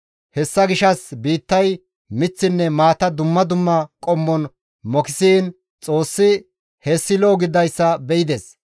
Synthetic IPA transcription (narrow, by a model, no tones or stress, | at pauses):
hɛsːɐɡɪʃɐsbiːt̪ːɐj | mɪt͡sːɪnːɛmaːt̪ɐd̪ʊmːɐd̪ʊmːɐkʼɔmːɔn | mɔkɪsiːn | t͡sʼo̞ːsːɪ | hesːɪloːɡɪd̪ɐjsːɐbɛʔɪd̪es